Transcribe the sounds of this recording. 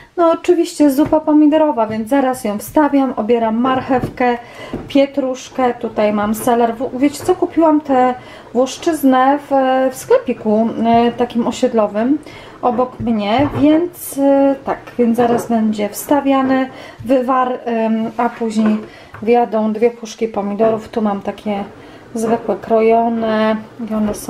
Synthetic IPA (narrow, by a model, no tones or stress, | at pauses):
nɔːt͡ʂɘvʲiɕt͡ɕɛzupapɔmʲid̪ɛɾɔvavʲjɛnd̪zaɾasjɔ̃w̃fst̪avʲjamɔbʲjɛɾamːaɾxɛfkɛ | pʲjɛt̪ɾuʂkɛt̪ut̪ajmamsɛlɛɾvuvʲjet͡ɕɛ̥t̪ɔkupʲiwamt̪ɛ | vwɔʂt͡ʂɘznɛvfskɛpʲikut̪akʲimɔɕɛd̪lɔvɘm | ɔbɔkmɲɛvʲjɛnt̪st̪akvʲjɛnt̪zaɾasbɛɲd͡ʑɛfst̪avʲjanɛvɘvaɾapuʑɲej | vʲjad̪ɔ̃w̃d̪vʲjɛpuʂkʲipɔmʲid̪ɔɾuft̪umamt̪akʲɛ | zvɘkwɛkɾɔjɔnɛiɔnɛsɔ̃